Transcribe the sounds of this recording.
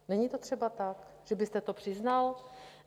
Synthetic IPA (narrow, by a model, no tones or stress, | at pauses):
nɛɲit̪o̞t̪r̝̥ɛbat̪akʒ̥ɛbɪst̪ɛt̪o̞pr̝̥ɪznal